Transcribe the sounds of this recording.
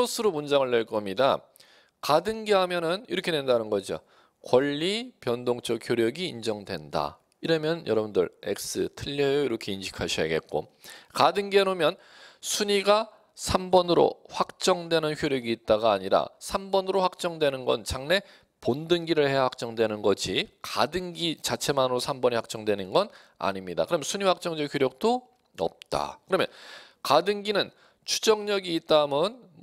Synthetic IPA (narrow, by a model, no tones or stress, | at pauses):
ʌsʰɯɾomund͡ʑaŋɯɭːe̞ɭk͈ʌmɲida | kadɯŋɡeɦamjʌnɯniɾʌkʰe̞dwe̞ndanɯnɡʌd͡ʑio̰ | kwʌʎːipjʌndoŋt͡ɕʰʌkhçjoɾjʌɡiːnd͡ʑʌŋdwe̞nda̰ | iɾʌmjʌnjʌɾʌbundɯ̰ɭḛk̚s͈ɯtʰɯʎːʌjʌiɾʌkʰe̞inɕʰi̥kʰaɕʰija̰ɡe̞̰t̚k͈o̰ | kadɯŋɡeanomjʌn | sʰuɲiɡa | sʰambʌnɯɾo̰ɸwak̚t͡ɕ͈ʌŋdwe̞nɯnçjoɾjʌɡiːt̚t͈aɡaːɲiɾa̰sʰambʌnɯɾoɸwak̚t͡ɕ͈ʌŋdwe̞nɯnɡʌ̰nt͡ɕaŋne̞ | pondɯŋɡiɾɯɭhe̞jahak̚t͡ɕ͈ʌŋdwenɯnɡʌd͡ʑʰika̰dɯŋɡit͡ɕat͡ɕʰe̞manɯɾosʰambʌɲiɸak̚t͡ɕ͈ʌŋdwe̞nɯnɡʌn | a̰ɲimɲida̰kɯɾʌmjʌnsʰuɲiwak̚t͡ɕ͈ʌŋd͡ʑʌçjoɾjʌk̚t͈o | ʌ̰p̚t͈a̰kɯɾʌmjʌn | kadɯŋɡinɯn | t͡ɕʰu̥d͡ʑʌŋɲʌɡiːt̚t͈amʌn